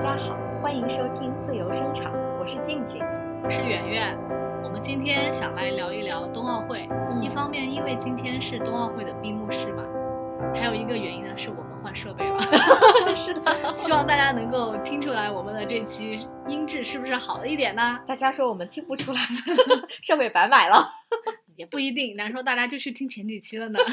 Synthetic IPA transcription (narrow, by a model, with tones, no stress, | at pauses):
a˥˩t͡ɕja˥xɑ˨˩˦ʊxwa˥ni˧˥ŋʂɔ˥t̪ʰi˥ŋt͡sɹ̩˥˩jo˧˥ʊʂɤ˥ŋʈ͡ʂʰɑ̰˨˩˦ŋwɔ˨˩ʂɻ̩˥˧t͡ɕi˥˩ŋt͡ɕʰi˧˥ŋ˦wɔ˨˩ʂɻ̩˥˩ɥɛ˨˩nɥɛ˥˩n | wɔ˨˩mə˦nt͡ɕi˥nt̪ʰjɛ˥nɕjɑ˨˩ŋla˧˥ɪljɑ˧˥ʊi˥˩ljɑ˧˥ʊt̪ʊ˥ŋɑ˥˧ʊxwe˥˩ɪ˥˩i˥˩fɑ˥ŋmjɛ˥˩ni˥nwe˥˩ɪt͡ɕi˥nt̪ʰjɛ˥nʂɻ̩˥˧t̪ʊ˥ŋɑ˥˧ʊxwe˥˩ɪd̪ə˩pi˥˧mu˥˧ʂɻ̩˥˩bɐ̰˩ | xa˧˥ɪjo˨˩i˧˥ɡə˧ɥɛ˧˥ni˥nə˧ʂɻ̩˥˩wɔ˨˩mə˦nxwa˥˧nʂɤ˥˧pe˥˩ɪd̪ə˩ʂɻ̩˥˩d̪ə˩ɕi˥wɑ˥˧ŋt̪̬a˥˩t͡ɕja˥nɤ˧˥ŋko˥˩ʊt̪ʰi˥ŋʈ͡ʂʰu˥la˧˥ɪwɔ˨˩mə˦nd̪ə˧ʈ͡ʂe˥˩ɪt͡ɕʰi˧˥ | i˥nʈ͡ʂɻ̩˥˧ʂɻ̩˥˩bu˩ʂɻ̩˥˩xɑ˨˩ʊd̪ə˦i˥˩jɛ˨˩nə˦t̪a˥˩t͡ɕja˥ʂwɔ˥wɔ˨˩mə˦nt̪ʰi˥ŋpu˧˥ʈ͡ʂʰu˥la˨˧˥ɪʂɤ˥˧pe˥˩ɪpa˧˥ɪma˨˩ɪlə˦ | jɛ˨˩pu˥˩i˧˥t̪̬i˥˩ŋna˧˥nʂwɔ˥t̪̬a˥˩t͡ɕja˥t͡ɕjo˥˧ʊt͡ɕʰy˥˩t̪ʰi˥ŋt͡ɕʰjɛ˧˥nt͡ɕi˨˩t͡ɕʰi˥lə˨nə˩